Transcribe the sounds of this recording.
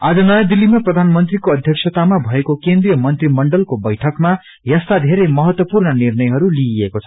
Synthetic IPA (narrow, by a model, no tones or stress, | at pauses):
ad͡zʌnʌjad̪ilːimaprʌd̪ʱanmʌnt̪rikoʌd̪ʱjʌksʰʌt̪amabʱʌekokend̪rijʌmʌnt̪rimʌɳɖʌlkobʌjʈʰʌkma | jʌst̪ad̪ʱeɾemʌɦʌt̪wʌpurnʌnirnʌjɦʌɾuliiekot͡sʰʌ̥